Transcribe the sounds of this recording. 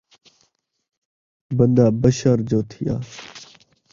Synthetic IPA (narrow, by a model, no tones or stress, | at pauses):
bənd̪aːbəʃaːɾd͡ʒoːt̪ʰɪja̰ː